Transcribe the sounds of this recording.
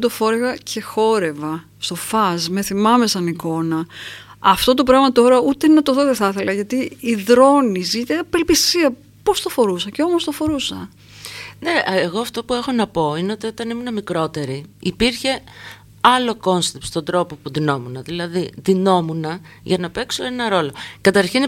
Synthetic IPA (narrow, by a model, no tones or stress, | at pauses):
t̪o̞fo̞ɾeɣɐcʰe̞xo̞ɾe̞vɐ | st̪o̞fɐzme̞θimɐme̞sɐniko̞nɐ | ɐft̪o̞t̪o̞p̬ɾɐɣmɐt̪o̞ɾɐut̪e̞nɐt̪oðoðeθɐθe̞lɐʝɐt̪iiðɾo̞nisit̪eɐpe̞lpisiɐ | po̞st̪ofo̞ɾusɐce̞o̞most̪o̞fo̞ɾusɐ | ne̞ʔeɣo̞ɐft̪o̞pue̞xo̞nɐpo̞ineo̞t̪io̞t̪ɐnimunɐmikɾo̞t̪e̞ɾiːpiɾçe̞ | ɐlo̞ko̞nst̪epst̪o̞nd̪ɾo̞po̞puðino̞munɐðilɐðiðino̞munɐʝɐnɐpe̞kso̞enɐɾo̞lo̞kɐt̪ɐɾçin